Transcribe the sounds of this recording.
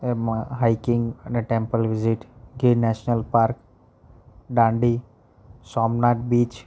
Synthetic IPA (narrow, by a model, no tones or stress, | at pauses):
emɦajkɪ̃ŋɡɛ̃nəʈẽmpəlʋɪzɪʈɡinɛʃnəlpaːɾk | ɖãːɳɖi | sɔːmnaːʈbiːt͡ʃ